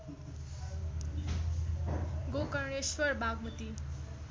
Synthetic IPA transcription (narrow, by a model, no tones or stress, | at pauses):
ɡokʌɾɳeswʌɾbaɡmut̪i